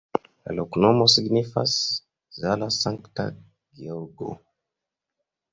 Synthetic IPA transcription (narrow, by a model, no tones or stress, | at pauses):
la̰loknomosiɡnifas | zalasaŋkta̰ | ɡioɡo̰